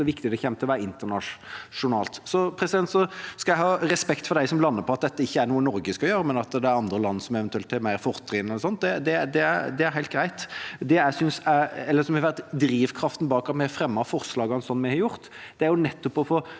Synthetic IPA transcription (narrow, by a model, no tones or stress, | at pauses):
ɔʋɪkt̪ɪd̪ɛçɛmt̪ʰɪlɔʋæːɾəɪnt̪ənɑʂʂʊnɑːlt̪sɔpʰɾɛsɪd̪ɛnt̪sɔskɑjæɪhɑːɾɛspɛkt̪fɔɾd̪æɪsɔmlɑnːəpʰɔɑt̪̚d̪ɛt̪ːəɪçːəæɾɳuːənɔɾɡəskɑjøːɾəmɛnɑt̪d̪ɛæɾɑnd̪ɾəlɑnːəsɔmɛʋɛnt̪ʉɛlt̪ʰæɾmæɪɾfɔɾt̪ʰːɾɪnɛləsɔnt̪d̪ɛd̪ɛd̪ɛæɾd̪ɛæɾɦæɪlt̪̚ɡɾæɪt̪d̪ɛæɪsʏnsæɛlːəsɔmhʋæɾt̪d̪ɾiːʋkʰɾɑft̪n̩bɑːəkɑt̪mɛɪfɾɛmːɑfɔɾslɑːɡɛnsɔnːmæɪhɑɾjʊɾt̪ | d̪̥ɛæɾjʊnɛt̪ːɔpɔfoː